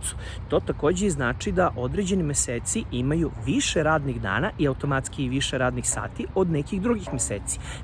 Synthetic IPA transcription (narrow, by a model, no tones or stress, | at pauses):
t̪su̥ | t̪o̞ːt̪ako̞ːd͡ʑeiznaːt͡ʂid̪aʔo̞d̪ɾe̞d͡ʑe̞nimʲeseːt̪siʔimajuʋiʃeɾaːd̪niɣd̪a̰ːnaʔiaut̪o̞mat̪skiiʋiʃeɾaːd̪nixsa̰ːt̪io̞d̪nekiɣd̪ɾuɡixmʲesḛːt̪si̥